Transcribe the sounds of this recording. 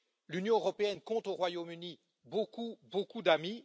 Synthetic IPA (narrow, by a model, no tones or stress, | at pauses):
lynjɔ̃øʁɔpeɛnkɔ̃t̪oʁwajomyni | bokubokud̪ami